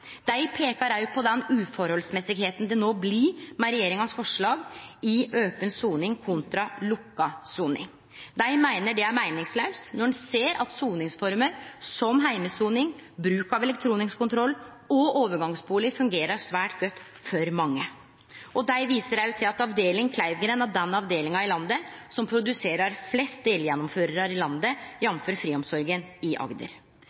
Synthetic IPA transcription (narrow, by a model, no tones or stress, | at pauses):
d̪̥æɪpʰeːkɑɾæʏpʰɔd̪ɛnʉːfɔɾhɔlsmɛsɪɡheːt̪n̩d̪ɛnoːblɪmɛɾɛjeːɾɪŋɑsfɔʂɭɑːɡɪʔøːpənsuːnɪŋkʰʊnt̪ɾɑlʊkːɑsuːnɪ̰ŋ | d̪æɪmæɪnəɖɛæɾmæɪnɪŋslɑʉsnɔɳɛseːɾʔɑt̪suːnɪŋsfɔɾməɾsɔmɦæɪməsuːnɪŋbɾʉːkɑʋɛlɛk̚t̪ʰɾuːnɪŋskʊnt̪ʰɾɔlː | ɔʔoːʋəɾɡɑŋsbuːlɪfʉŋɡeːɾəʂʋæːʈɡœt̪ː | fɔɾmɑŋːə | ɔd̪æɪʋiːsəɾæjt̪ʰɪlɑt̪ɑʋd̪eːlɪŋkʰlæɪʋɡəɾɛnɑd̪ɛnːɑʋd̪eːlɪŋɑɪlɑnd̪əsɔmpʰɾʊd̪ʉseːɾɑɾflɛst̪̚d̪eːljɛnːɔmføːɾəɾɑɾɪlɑnd̪əjɛnføːɾfɾiːɔmsɔɾɡənɪʔɑ̰ɡd̪ə̰ɾ